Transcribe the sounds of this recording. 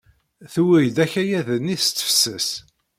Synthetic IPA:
θuwɾjd̪æçæjæðənːiθt͡s̪ːə̥fsəs

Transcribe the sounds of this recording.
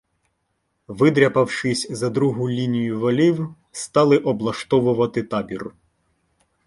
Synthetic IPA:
ʋɪd̪ɾʲɐpɐwʃɪsʲzɐd̪ɾuɦʊlʲinʲijʊʋɐlʲiw | st̪ɑlˠɪʔɔblˠɐʃt̪ɔʋʊʋɐt̪ɪt̪ɑbʲir

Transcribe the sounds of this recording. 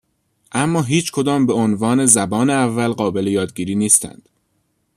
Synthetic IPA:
ʔæmːɒːɦiːt͡ʃʰkʰo̞d̪ɒːmbe̞onvɒːne̞zæbɒːneævːælɢɒːbe̞lejɒːd̪ɟiːɾiːniːst̪ʰæ̰nd̪̥

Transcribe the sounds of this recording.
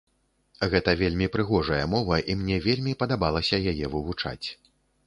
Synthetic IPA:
ɣɛt̪ɐvʲelʲmʲipɾɨɣɔʐɐjɐmɔvɐʔimnʲɛvʲelʲmʲipɐd̪abalˠɐsʲɐjajɛvɨvut͡ʂa̰t͡sʲ

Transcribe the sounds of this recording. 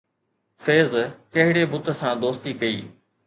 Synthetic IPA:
feːzkɐɦɪɽebʊt̪ə̆sãd̪oːst̪ikɐiː

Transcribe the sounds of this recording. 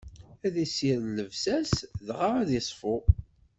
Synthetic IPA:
æðisiɾləvsæsðʁaʁæðisˤfʊ

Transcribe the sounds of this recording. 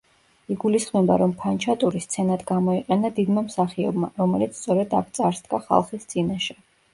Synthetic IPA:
iɡulisχmɛba̰ɾɔmpʰant͡ʃʰat̪ʼuɾist̪sʰɛnad̪ɡamɔiqʼɛnad̪id̪mamsaχiɔ̰bmaɾɔmɛlit̪sʰt̪sʼɔɾɛd̪a̰kʰt̪sʼaɾsd̪ɡaχa̰lˠχist̪sʼinaʃɛ

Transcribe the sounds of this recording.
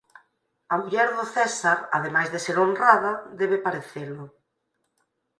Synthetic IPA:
amuʎɛɾðʊθɛsaɾa̰ðemajzðeseɾonraðɐðɛβ̞epaɾeθelʊ

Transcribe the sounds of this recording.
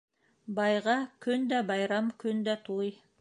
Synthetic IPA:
bɑjʁɑkʲʰɵnd̪æbɑjɾɑmkʲʰɵnd̪æt̪ʰuj

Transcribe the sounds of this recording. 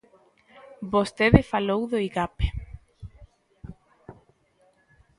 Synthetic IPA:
bost̪eðɪfalowðoiɣape̥

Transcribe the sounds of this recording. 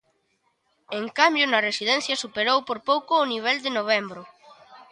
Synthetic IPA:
eŋkambjʊnɐresiðɛn̟θjɐsupeɾowpoɾpowkoːniβ̞ɛld̪ɪnoβ̞ɛmbɾʊ

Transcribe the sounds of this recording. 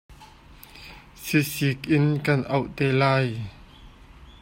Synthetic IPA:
sisik̚ʔɪnkɐnʔɐwʔt̪ɛːlaːj

